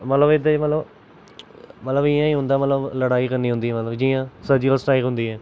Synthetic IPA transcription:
mət̪ləbɪd̪emət̪ləb | mət̪ləbɪjãːĩːɦʊ̃nd̪aːmət̪ləbləɽaːiːkəɾniːɦʊ̃nd̪iːɛːmət̪ləbd͡ʒiːãːsəd͡ʒiəlsʈaːɪkɦʊ̃nd̪iːɦɛː

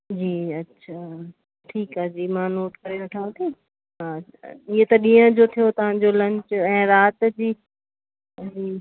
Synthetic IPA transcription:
d͡ʑiːɐtːʃʰa | ʈʰiːkaːd͡ʑiːmãːnoːʈkɐɾeʋɐʈʰãːt̪ʰe | ɦaa̰ɪɦet̪ɐɗĩːə̃d͡ʑot̪ʰijot̪ɐʋ̤ãːd͡ʑolɐ̃ɲt͡ɕɛ̃ːɾaːt̪d͡ʑiː | d͡ʑiː

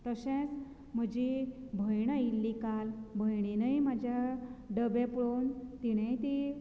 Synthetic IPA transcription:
t̪əɕẽt͡s | m̤əd͡ʑibʱəjɳ̃ailːikalbʱəjɽ̃inəjmad͡ʑʱjaɖəbepɽont̪iɽ̃ajt̪i

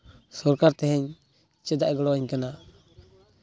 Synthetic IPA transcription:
sɔɾkaɾt̪ɛɦɛɲ | t͡ʃɛd̪aʔɡɔlɔɲkana

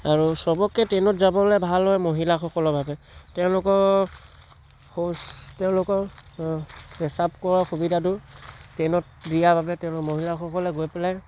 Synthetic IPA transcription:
aɹusɔbɔkːɛtɛnɔtzabɔlɛbʱalːɔjmoɦilaxɔkɔlɔbʱabɛ | tɛʊ̃lʊkɔɹ | xostɛʊ̃lʊkɔɹ | ɛsap̚kɔɹaxubidʱadʊtɛnɔt̚dijabʱabɛtɛʊ̃lkɔmoɦilaxɔkɔlɛɡojpɛlaj

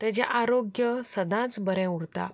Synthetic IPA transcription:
t̪ad͡ʑja̰ʔaɾoɡjəsəd̪ʱãt͡sbəɾɛ̃uɽt̪a̰

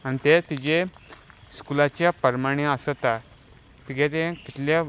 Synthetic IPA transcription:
añit̪et̪id͡ʑe | skulat͡ɕjapəɾmaɽ̃iəsət̪a | t̪iɡɛt̪ẽkit̪lja

